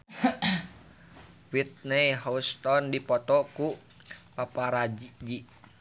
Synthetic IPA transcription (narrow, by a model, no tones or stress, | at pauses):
wit̪̚nejɦɔst̪ɔndipɔt̪ɔkupapaɾad͡ʒd͡ʒiʔ